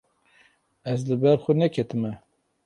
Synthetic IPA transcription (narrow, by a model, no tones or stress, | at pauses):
ɛzlɨbɛɾxʷɛnɛkʰɛt̪ɨmɛ